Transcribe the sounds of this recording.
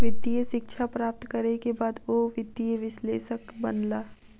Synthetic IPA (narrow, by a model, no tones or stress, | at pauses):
ʋɪd̪ijəʃɪkʃʰapɾaːp̚t̪kɐɾekebaːd̪oʋɪd̪ijəʋɪʃleːʃəkbɐnlaː